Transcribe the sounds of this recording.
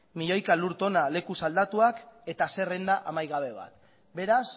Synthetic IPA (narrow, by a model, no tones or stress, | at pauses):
miʎo̞jkaluɾt̪o̞nale̞kusald̪at̪uake̞t̪ase̞rend̪aʔamajɣaβ̞e̞β̞a̰t̪ | be̞ɾas